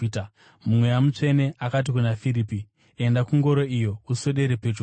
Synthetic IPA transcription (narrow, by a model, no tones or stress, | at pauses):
mumwe̞jamut͡ʂe̞ne̞ʔakat̬ikunafiɾipi | e̞ndakuŋɡo̞ɾo̞ijo̞uso̞ɗe̞ɾepet͡ʃo